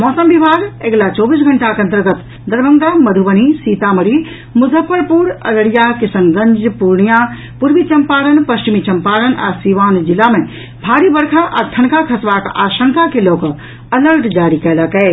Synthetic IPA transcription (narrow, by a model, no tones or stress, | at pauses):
mɔːsəmbibʱaːɡeɡlat͡ʃɔːbiːs̬ɡʱɐɳʈakɐ̃nt̪əɾɡət̪ | d̪ɐɾbəŋd̪amɐd̪ʱubəñ̤isiːt̪amɐɾi | mʊzʱəpːəɾpuɾɐ̰ləɽijakɪsəŋɡəɲd͡ʒpuɾɳija | puɾʋit͡ʃɐmpaːɾənpɐst͡ʃimit͡ʃɐmpaːɾəna̰siʋaːnd͡ʒɪlamẽ | bʱaːɾibɐɾkʰaʔat̪ʰɐnkakʰɐsʋaːka̰ːʃə̃ŋkakeloːk | ɐləɾʈd͡ʒaːɾikɐːləkɛː